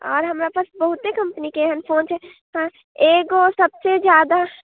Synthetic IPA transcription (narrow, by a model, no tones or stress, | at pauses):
ɔ̰ːɾɦɐmɾapəsbəɦʊt̪ːekɐ̃mpənikeɦənpʰoːnt͡ʃʰɛ | ɦãː | eːɡosɐbsed͡ʒjaːd̪a